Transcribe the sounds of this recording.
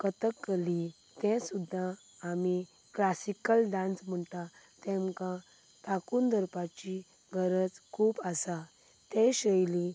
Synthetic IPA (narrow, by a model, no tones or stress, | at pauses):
kət̪əkːəli | t̪ɛ̃sud̪ʱːaː | mi | klasikəlɖãnt͡sm̤əɳt̪a | t̪ɛ̃mkã | t̪akuːnd̪ʱəɾpat͡ɕi | ɡʱəɾət͡skʰuːpasa | t̪ɛ̃ɕəjli